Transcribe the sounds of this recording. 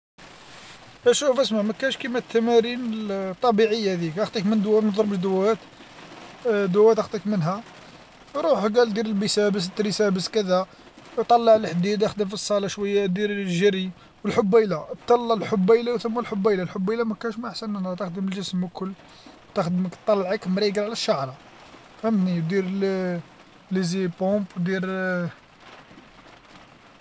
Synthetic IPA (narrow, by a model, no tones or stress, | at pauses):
ʔæʃufəsmaʕmækænʃkimæt̪ːæmæɾinət̪ˤːɑbiʕəjːæd̪ikʔɑxt̪ˤikmənd̪wːæt̪mnd̪ˤɾˤbəʃd̪ʊwæt̪ | d̪ʊwːæt̪ʔxt̪ˤikmənɦæ | ɾˤuħɡæld̪iɾəlbisæbəs̬t̪ɾisæbəskəd̪æ | t̪ˤɑlːɑʕlħd̪id̪ʔæxd̪əmfisˤːɑlɑʃwəjːad̪iɾlʒəɾi | wəlħʊbːæjlat̪ˤːɑlːɑlħʊbːæjlawθəmːælħʊbːæjlalħʊbːæjlamækænʃmæʔaħsænænæt̪əxd̪əməlʒəsmːəkʰʊlː | t̪æxd̪məkt̪ˤːɑlːʕəkmɾiɡlʕlæʃːaʕɾˤɑ | fhəmt̪niwd̪iɾl | lizipombwd̪iɾ